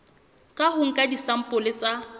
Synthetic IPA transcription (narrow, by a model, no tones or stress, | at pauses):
kʼaɦʊŋ̩kʼadisam̩pʼʊlɪt͡sʼa